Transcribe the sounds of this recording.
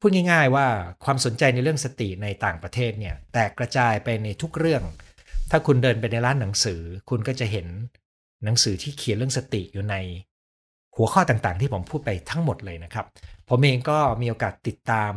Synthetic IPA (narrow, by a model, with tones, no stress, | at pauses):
ppʰuː˥˩t̪̚ŋa˥˩jŋaː˥˩jwaː˥˩kʰwaː˧mso˩˦nt͡ɕa˧jna˧jɾɯ˥˩əŋsa˧t̪i˨˩ʔna˧jt̪aː˨˩ŋpɾa˧t̪ʰeː˥˩t̪̚ni˥˩ɐt̪ɛː˨˩kːɾa˧t͡ɕaː˧jpa˧jna˧jt̪ʰu˦˥k̚ɾɯ˥˩əŋ | t̪ʰaː˥˩kʰu˧ndɤː˧npa˧jna˧jɾaː˦˥nːa˩˦ŋsɯː˩˦kʰu˧nkɔː˥˩t͡ɕa˨˩ɦe˩˦nː | a˩˦ŋsɯː˩˦t̪ʰiː˥˩kʰi˨˩˦lɯ˥˩əŋsa˧t̪ḭ˨˩ʔjuː˨˩na˧j | hu˩˦əkʰɔː˥˩t̪aː˨˩ŋt̪aː˨˩ŋt̪ʰiː˥˩o˩˦mpʰuː˥˩t̪̚pa˧jt̪ʰa˦˥ŋmo˨˩t̪̚lɤː˧jna˦˥kʰɾa˦˥p̚ʰːo˩˦mʔeː˧ŋkɔː˥˩miː˧ʔoː˧kaː˨˩t̪ːi˨˩t̪ːaː˧m